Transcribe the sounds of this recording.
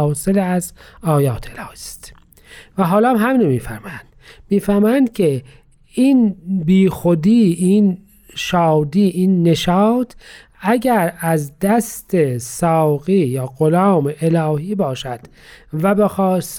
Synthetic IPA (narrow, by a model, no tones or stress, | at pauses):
seleæzɒːjɑːt̪ʰelɑːhist̪ | væɦɒːlɒæmɦæmiːnomiːfæɾmjænd̪̥miːfæɾmjænd̪kʰe | iːnbiːxod̪iːiːn | ʃɑːd̪iːʔiːnːe̞ʃɑːt̪ʰ | æɟæɾæzd̪æst̪esɑːɣiːjɑːɣolɑːmeʔelɑːhiːbɒːʃæd̪̥ | væbexɑːs